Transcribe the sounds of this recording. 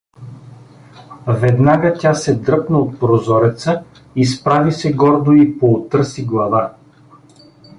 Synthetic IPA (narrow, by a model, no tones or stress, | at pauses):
vɛd̪naɡətʲasɛd̪ɾɤpnəot̪̚pɾozɔɾɛt̪sə | ispɾavisɛɡɔɾd̪oipoːt̪ɤɾsiɡlˠɐva